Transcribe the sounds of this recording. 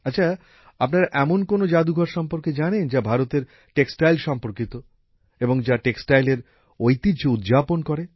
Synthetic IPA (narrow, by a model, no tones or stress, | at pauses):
aːɕʰa | apnaɾaʔɛmonkonod͡ʑad̪uɡʱɔɾʃɔmpoɾked͡ʑanend͡ʑabʱaɾot̪eɾ | ʈeksʈajlʃɔmpoɾkit̪o | eboŋd͡ʑaʈeksʈajleɾ | ojt̪it͡ɕoud̪d͡ʑaponkɔɾe